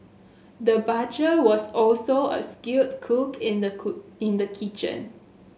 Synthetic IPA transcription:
dəbad͡ʒəwɔsɔlsoə̰skut̚kʰukʰɪ̃ndəɪ̃ndəkʰit͡ʃə̰̃n

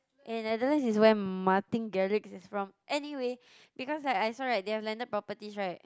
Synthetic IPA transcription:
ʔɛ̃nnɛdəlãnsiswɛ̃nmatĩnɡɛɹiksisfɹɔ̃mʔɛniwe | bikɔslaɪkajsɔɹat̚dehɛvlɛ̃ndəd̚pɹɔpətisɹaɪt̚

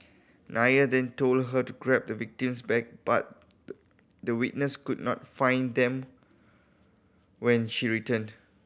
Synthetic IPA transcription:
nʔajədɛ̃ntoldɦətuɡɹɛp̚dəvik̚tĩmsbɛk̚b̥a̰t̚ | dəwit̚nəskudnɔ̰t̚fãɪ̃nd̪ɛ̃m | wɛ̃nʃiɹitə̃nd

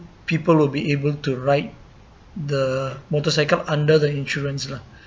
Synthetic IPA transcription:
pipəlwilbiebəltuɹajt̚ | d̪əmotɔsajkəlãndəd̪əĩnʃuɹə̃nsla

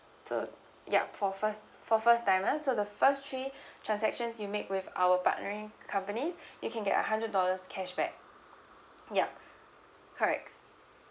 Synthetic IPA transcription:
so̰ | ja̰fɔfəs | fɔfəstãɪ̃masodəfəstʰɹitʰɹãnsɛkʃə̃nsjumekwɪva̰wəpa̰ʔ̚nəɹɪ̃ŋkʰãmpənisjukʰɛ̃nɡɛ̰tə̰ɦãndɹət̚dɔləskʰɛʃbɛ̰k̚ | ja | kʰəɹɛ̰k̚t

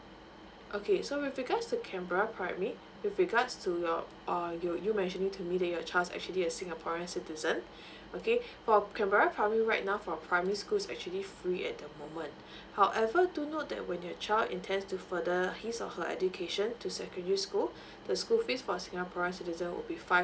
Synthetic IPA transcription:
ʔokʰesowifɹiɡatstukʰɛ̃mbaɹapʰɹaɪmɛɹi | wifɹiɡatstʰujɔ | ajɔjumɛ̃nʃə̃nĩŋtʰumidɛt̚jɔt͡ʃʰaɪldsɛ̰k̚t͡ʃuəliəsĩŋɡapʰɔɹə̃nsitizə̃n | ʔokʰefɔkʰɛ̃mbaɹapʰɹaɪmɛɹiɹaɪt̚naʊfɹɔ̃pʰɹaɪməɹiskulsɛ̰k̚t͡ʃuəlifɹiʔɛ̰t̚dəmõmə̃nt | haʊʔɛvədunot̚dɛ̰ʔ̚wɛ̃njɔt͡ʃʰaɪldḭ̃ntʰɛ̃ndstufədəhisɔ̰fhəɛ̰dukʰeʃə̃ntʰusɛkə̃ndəɹiskul | d̥əskulfisfɔsĩŋapʰɔɹə̃nsitizə̃nwɪ̰lbifa

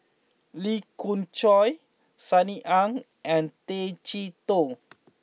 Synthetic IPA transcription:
likũnt͡ʃɔj | saniʔãŋ | ɛ̃nt̪et͡ʃit̪o

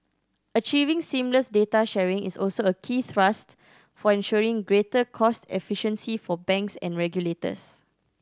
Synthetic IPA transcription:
ət͡ʃivĩŋsĩmləsdetaʃɛɹĩŋḭsɔlsoəkʰiːθɹast | fɔɛ̃nʃɔɹĩŋɡɹetəkʰɔstɛ̰fiʃə̃nsifɔbɛ̃ŋksɛ̰̃nɹɛɡjuletə̰s

